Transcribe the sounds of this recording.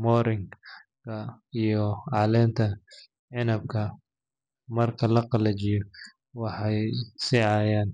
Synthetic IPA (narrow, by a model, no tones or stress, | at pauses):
mɔːɾɪŋ | kʰɐ | ijɔʕɑlɛːnt̪ʰɐ | ʕɪnɐb̚kʰɐ | mɐrkʰɐlɐqɑlɐt͡ʃɪjɔ | wɑħɑjsɪʕɑːjaːn